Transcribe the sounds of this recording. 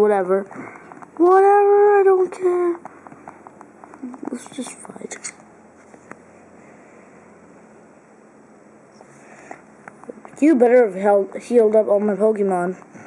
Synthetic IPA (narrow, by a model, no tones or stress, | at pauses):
wʌɾɛvə˞ | wʌɾɛvə˞aɪɾõʊ̃nkʰɛɹ | ætsd̥ʒ̥ʌstfa̰ɪt | ɨbɛɾə˞ɨv̥ɛlˠhilˠdʌpn̩maɪpʰɑkɨmɑ̃n